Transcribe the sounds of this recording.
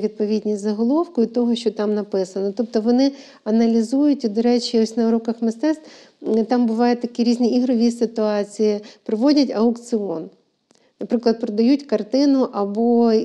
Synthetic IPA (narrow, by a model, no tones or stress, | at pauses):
ʋʲid̪̚pɔʋʲidʲnʲijʲzɐɦɔlˠɔwkʊɪt̪ɔɦɔʃt͡ʃɔt̪ɑmnɐpɪsɐnɔt̪ɔp̚t̪ɔʋɔnɪ | ɐnɐlʲizujʊtʲid̪ɔɾɛt͡ʃʲiɔsʲnɐɾukɐxmɪst̪ɛst̪ | t̪ɑmbʊʋɑjɛt̪ʲːɐkiɾʲizʲnʲiiɦɾɔʋʲisɪt̪ʊɑt͡sʲijɪpɾɪʋɔdʲɐtʲɐʊkt̪sɨɔ̰n | nɐpɾɪklˠɐd̪̚pɾɔd̪ɐjutʲkɐrt̪ɪnʊʔɐbɔ